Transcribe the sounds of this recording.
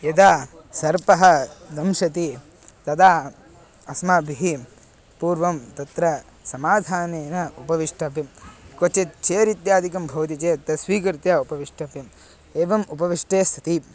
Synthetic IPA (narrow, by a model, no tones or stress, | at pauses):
ed̪aː | sɐɾpɐɦɐ̆d̪ɐmʃɐt̪i | t̪ɐd̪aː | ɐsmaːbʱiɦi | puːɾʋɐmt̪ɐt̪ɾɐ | sɐmaːd̪ʱaːneːnɐupɐʋiʂʈʰɐpjɐmkot͡ʃet͡ʃeːɾit̪jaːd̪ʱikɐmbʱɐʋt̪it͡ʃeːt̪ɐsʋiːkɾt̪jɐupɐʋiʂʈʰɐpjɐm | eːʋɐmupɐʋiʂʈeːst̪ʰɐt̪i